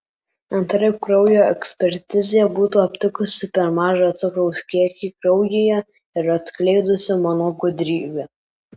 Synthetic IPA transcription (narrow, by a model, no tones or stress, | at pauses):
ɐnt̪ɾɐjkɾɔʊjoːɛ̰ksʲpʲɛɾʲt̪ʲɪzʲejɛbuːt̪uːɐpʲt̪ʲɪkʊsʲɪpʲɛɾmɑːʒɐɐt̪sʊkɾɔʊskʲiɛkʲiːkɾɒʊjeːjɛ | ɪɾɐt̪sklʲɛɪd̪ʊsʲɪmɔnɔkud̪ʲɾʲiːʋʲɛ